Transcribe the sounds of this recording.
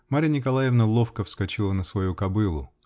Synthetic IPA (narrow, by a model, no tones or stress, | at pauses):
maɾʲənʲɪkɐlˠajɪvnəlˠofkəfskɐt͡ɕilˠənəsvɐjukɐbɨlˠʊ